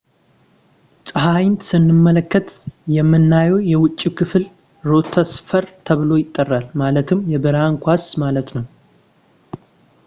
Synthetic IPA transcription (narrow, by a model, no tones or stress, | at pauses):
sʼɨɦajnt̪sɨnːɨmːələkːət̪jɛmːɨnːajɛwjɛwʊt͡ʃʼːikʰɨfl | ɾo̞t̪ʰəsfəɾt̪ʰəβlo̞jɪt̪ʼːərːalmalət̪ʰɨmjɛbɨɾaŋkʷasmalət̪nəw